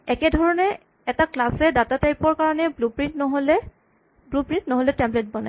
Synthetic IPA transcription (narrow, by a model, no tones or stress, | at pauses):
ɛkɛdʱɔɹɔnɛ | ɛtaklasɛdatatajpɔɹkaɹɔnɛblupɹintnɔɦolɛ | blupɹĩntnɔɦolɛtɛmblɛt̚bɔna̰j